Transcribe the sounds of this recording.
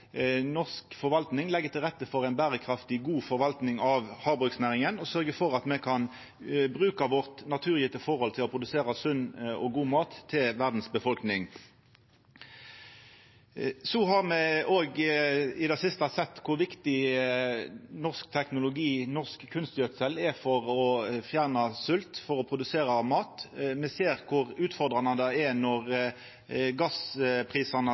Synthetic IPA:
nɔʁskfɔʁʋɑlt̪nɪŋlɛɡːət̪ʰɪlʁɛt̪ːəfɔʁæɪnbæːʁəkʰɾɑft̪ɪɡuːfɔʁʋɑlt̪nɪŋɑʋhɑːbʉksnæːʁɪŋənɔsœʁɡəfɔʁɑt̪mɛkʰɑn | bʁʉːkɑʋɔʁt̪nɑt̪ʰʉːʁjɪːt̪əfɔʁhɔlt̪ʰɪlɔːpʰʁʊd̪ʉseːʁɑsʉnːɔɡuːmɑːt̪ʰːɪlʋæʁd̪n̩sbəfɔlknɪŋ | sɔɦɑʁmɛoːɡɪd̪ɛsɪst̪ɑsɛt̪ːkʰʊɾʋɪkt̪ɪ | nɔʁsk̚t̪ʰɛknʊlʊɡiːnɔʁskkʰːʉnst̪jœt̪sɛlɛfɔʁɔfjæʁnɑsʉlt̪fɔʁɔpʰʁʊd̪ʉseːɾɑmɑːt̪mɛseːʁkʰʊʁʉːt̪fɔʁd̪ʁɑnɑd̪əɛnɔʁ | ɡɑspʰʁiːsɑnə

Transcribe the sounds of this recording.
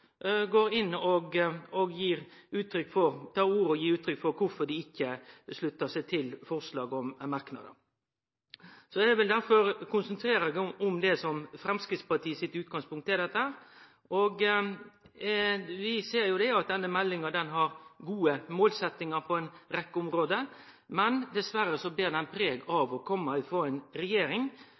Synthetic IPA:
ɡoːɾɪnːɔɡɔɡjiːɾʉːt̪ʰːɾʏkːfɔɾt̪ʰɑːɾuːɾəɔjiːɾʉːt̪ʰɾʏkfɔɾkʰʊɾfɔɖɪɪkːəslʉt̪ːəsæɪt̪ʰɪlfɔɾslɑːɡɔmmɑɾknɑ̰d̪ə̰ | sɔɛɛʋɪld̪æɾfɔɾkʰʊnsənt̪ʰɾeːɾəɡɔmd̪ɛsɔmfɾɛmskɾɪt̪spɑʈʰiːəsɪt̪ːʉːt̪̚ɡɑŋspʰʊŋkt̪ɛd̪ɛt̪ːəhæːɾ | ʔɔɡ | ʋɪseːɾjʊd̪ɛɑt̪̚d̪ɛnːəmɛlːɪŋəd̪ɛnɦɑɾɡuːəmoːlsɛt̪nɪŋəɾpʰɔɛnɾɛkːəʊmɾoːd̪əmɛnd̪ɛsʋæɾːəsɔblɪːd̪ɛnpʰɾeːɡɑʋɔkʰɔmːəɪfoːæɪnɾɛjeːɾɪŋ

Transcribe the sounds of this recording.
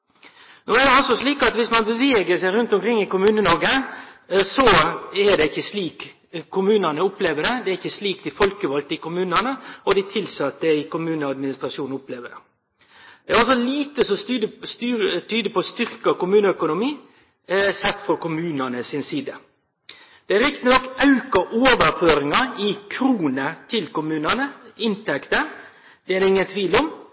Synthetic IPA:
nuːæd̪ɛɔlsɔsliːkɑt̪ʋɪsmɑnbəʋeːɡəsæɪɾʉnt̪ɔmkɾɪŋːɪkʊmʉːnənɔɾɡə | sɔɛɖɛɪçːəsliːk | kʰːʊmʉːnənəʊpleːʋəɖɛd̪ɛæɾɪçːəsliːkd̪ɪfɔlkəʋɔlt̪ɪkʊmʉːnənəɔd̪ɪt̪ʰɪlsɑt̪d̪əɪkʊmʉːnəɑd̪mɪnɪst̪ɾɑʂuːnʊpleːʋəɛ | d̪ɛæɾɔlsɔliːt̪əsɔst̪ːt̪ʰyːd̪əpɔst̪ʏɾkɑkʊmʉːnəœkʊnʊmiː | sɛt̪ːfɔɾkʊmʉːnənəsɪnsiːd̪ə | d̪̥ɛɾɪkt̪ənɔkːɑʉkɑʔoːʋəɾføːɾɪŋɑɪkʰɾuːnət̪ʰɪlkʊmʉːnənəɪnt̪ɛkt̪ə | d̪ɛæɾɪŋːənt̪ʰʋiːlʊm

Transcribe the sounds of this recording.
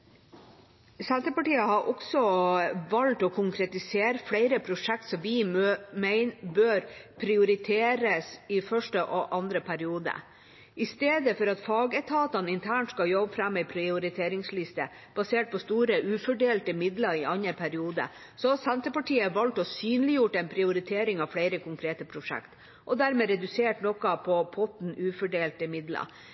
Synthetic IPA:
sænt̪əpɑʈiːəhɑɾʔɔksɔʋɑlt̪ɔkʰʊŋkʰɾɛt̪ɪseːɾəfɽæɪɾəpʰɾʊʂɛk̚t̪sɔmʋɪmɛɪnbøːɾpʰɾɪʊɾɪt̪ʰeːɾəsɪfœʂʈəʔɔʔɑnd̪ɾəpʰæɾɪuːd̪ə̰ | ʔɪst̪eːd̪əfɔɾɑt̪fɑːɡət̪ʰɑːt̪ɑnɪnt̪ʰæːɳʈskɑjɔbfɾɑmːɛɪpʰɾɪʊɾɪt̪ʰeːɾɪŋslɪst̪ə | b̥ɑseːʈ̚pʰɔst̪uːɾəʔʉːfɔɖeːlt̪əmɪd̪lɑɾɪʔɑnəɾpʰæɾɪuːd̪ə̰ | sɔsænt̪əpɑʈiːəʋɑlt̪ɔsyːnlɪjʊʈːɛɪnpʰɾɪʊɾɪt̪ʰeːɾɪŋɑʋfɽeɪɾəkʊŋkʰɾeːt̪əpʰɾʊʂɛ̰kt̪ | ʔɔd̪æɾmeːɾɛd̪ʉseːʈnɔkːɑpʰɔpʰɔt̪n̩ʔʉːfɔɖeːlt̪əmɪd̪lɑ̰ɾ

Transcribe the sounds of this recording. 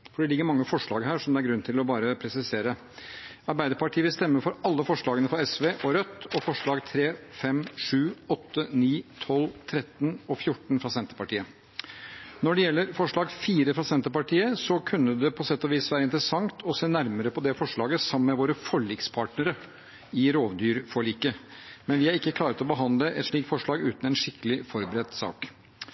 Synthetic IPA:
fɔɖɛlɪɡːəɾmɑŋːəfɔʂɭɑːɡɦæːʂɔmd̪ɛæɾɡɾʉnːt̪ʰɪlɔbɑːɾəpʰɾɛsɪseːɾə | ɑɾbæɪd̪əɾpɑʈʰiːəʋɪlst̪ɛmːəɾfɔɾɑlːəfɔʂɭɑːɡənəfɾɔɛsʋeːʔɔɾœt̪ːɔfɔʂɭɑːɡt̪ʰɾeːfɛmʂʉːɔt̪ːəniːt̪ʰɔlːt̪ʰɾɛt̪ːnɔfjʊʈn̩fɾɑːsɛnt̪əɾpɑʈiːə | nɔɖɛjɛlːəɾfɔʂɭɑːɡfiːɾəfɾɑːsɛnt̪əɾpɑʈʰiːəsɔkʰʉnːəd̪ɛpʰɔsɛt̪ːɔʋiːsʋæːɾəɪnt̪ɾəsɑŋt̪ʰɔseːnæɾməɾəpʰɔd̪ɛfɔʂɭɑːɡəsɑməmɛʋoːɾəfɔɭiːkspʰɑːʈnəɾə | ɪɾoːʋd̪yːɾfɔɭiːkəmɛnʋɪæɾɪkːəkʰlɑːɾət̪ɔbəɦɑnd̪ləʔɛ̰t̪ʂɭiːkfɔʂɭɑːɡʉ̰ːt̪n̩ɛnʂɪkːəlɪfɔɾbəɾɛt̪sɑ̰ːk

